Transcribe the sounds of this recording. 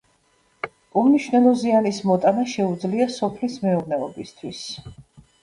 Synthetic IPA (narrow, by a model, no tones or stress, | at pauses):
umniʃvnɛlˠɔzianismɔt̪ʼanaʃɛud̪zliasɔpʰlismɛɔvnɛɔbist̪ʰwis